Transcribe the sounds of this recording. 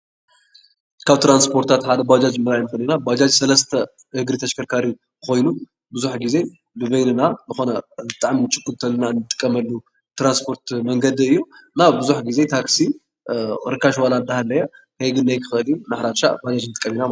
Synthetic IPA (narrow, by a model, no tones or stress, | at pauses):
kʰaβt̪ʰɾanspʰo̞ɾt̪ʰat̪ħad̪ɐbad͡ʒad͡ʒɨmːɨɾajnɨkoninabad͡ʒad͡ʒsɐlɐst̪ʰɐ | hɨɡɾit̪ʰɐʃkʰɐɾkʰaɾi | ko̞jnu | bɨzuħɡize̞ | bɨβɐjnɨnanɨxo̞nɐbɨt̪ʼaʕminɨt͡ʃʼɨkːult̪ʰɐlːɨnanɨt̪ʼɨ̥kʼːɐmɐlːu | t̪ɾanspʰo̞ɾt̪mɐŋɡɐd̪iɨjːunaβbɨzuħɡize̞t̪ʰaksi | ɾɨkːaʃwalanɨd̪ahalːɐja | heɡɨnːajkʰɨxɨlijunɨħɾaʃa̰ʔbad͡ʒad͡ʒnɨt̪ʼɨkʼːɐmina